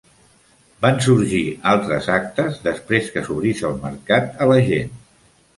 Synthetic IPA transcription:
bans̬uɾʒialˠt̪ɾəzak̚t̪əzðəspɾeskəsuβɾisəlˠmə̰ɾkat̪ələʒen

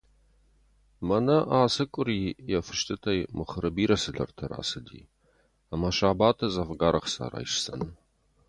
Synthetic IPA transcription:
mɐnɐʔaːsɨkʷʼʊriːjɛfɨʃtʰɨtʰɐjmɨχəɾɨbiːɾɐsɨɮɐ̰rtʰɐɾa̰ːsɨdḭː | amɐʃaːbaːtʰɐzɐfɡaːɾɐχsa̰ːra̰ːjʃsɐ̰nɨ

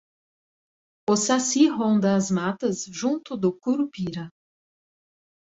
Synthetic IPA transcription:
ʊsasiɦõnd̪ɐːzmat̪ɐzʒũnt̪ʊd̪ʊkuɾupiɾɐ

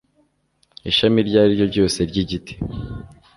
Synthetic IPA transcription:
iʃamiɾɟaːɾiɾɟo̞bɟo̞ːse̞ɾɟiɟitʰi̥

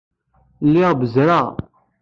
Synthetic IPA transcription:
lːɪʁbəzɾa

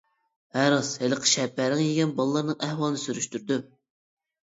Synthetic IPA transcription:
hæɾɑsheləqʰə̥ʃɛpʰːæɾɪŋjeɡʲɛnbɑlˠlˠːɑɾnɨŋæhwɑlˠnɨsyɾyʃt̪yɾd̪y

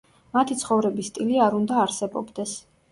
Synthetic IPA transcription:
mat̪ʰit̪sʰχɔvɾɛbist̪ʼiliaɾund̪aːɾsɛbɔ̰bd̪ɛs

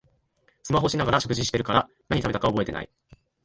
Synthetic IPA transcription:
sɨmaɦo̞ɕinaɡaɾaɕo̞kɯ̟ʑiɕi̥t̪e̞ɾɯ̟kaɾa | naɲ̟it̪abe̞t̪akao̞bo̞e̞t̪e̞na̰ḭ

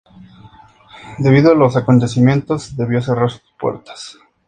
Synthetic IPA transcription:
d̪e̞βiðoalo̞sako̞nt̪e̞simje̞nt̪o̞zd̪e̞βjo̞se̞raɾsu̥spwḛɾt̪ḁs

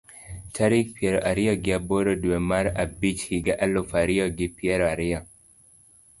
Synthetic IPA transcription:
tʰaɾik̚piɛɾɔʔaɾiɔɡɪaboɾoduɛmaɾabit͡ʃhiɡaʔalofaɾiɔɡɪpiɛɾɔaɾɪɔ

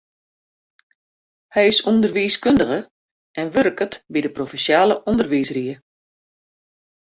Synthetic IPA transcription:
hɛjɪsundərʋiskøndəɣə | ɛnʋøɾkətbidəprofɛnsjaːləʔɔndərʋiːsriə

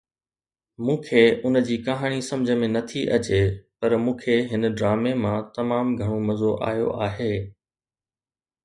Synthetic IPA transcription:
mũːkʰeːʊnəd͡ʑiːkɐɦaːɽ̃isɐ̃md͡ʑʱəmẽnɐt̪ʰiʔɐt͡ɕepɐɾmũːkʰeɦɪnəɖɾaːmemãt̪ɐmaːmɡʱɐɽ̃omɐzoʔa̰ːɦjo̰ʔaːɦeː

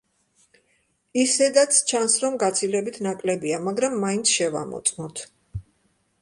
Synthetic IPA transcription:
isɛd̪at̪sʰt͡ʃʰansɾɔmɡat̪sʰilɛbit̪ʰnakʼlɛbiamaɡɾamːaint̪sʰʃɛva̰mɔ̰t̪sʼmɔt̪ʰ

